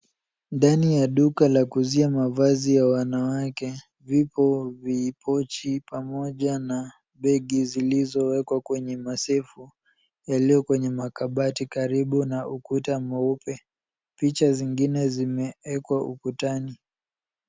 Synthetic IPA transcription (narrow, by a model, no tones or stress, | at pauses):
ndanijaɗukalakuziamavazijawanawakɛ | vipɔviːpʰɔt͡ʃipamɔʄana | ɓɛɠizilizɔwɛkwakwɛɲɛmasɛfu | jaliɔkwɛɲɛmakaɓatikaɾiɓunaukutamɔupɛ | pit͡ʃaziŋɡinɛzimɛɛkwaukutani